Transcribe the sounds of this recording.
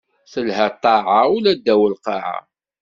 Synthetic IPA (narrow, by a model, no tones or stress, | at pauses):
θəlhæt̪ˤːɑʕaulæd̪ːæwəlqɑʕa̰